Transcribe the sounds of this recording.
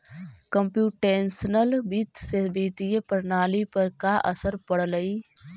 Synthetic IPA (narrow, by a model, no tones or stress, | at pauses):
kə̃mpjuːʈeːnsnəlbiːt̪sebiːt̪iepəɾnaːlipəɾkaʔə̰səɾpəɽləiː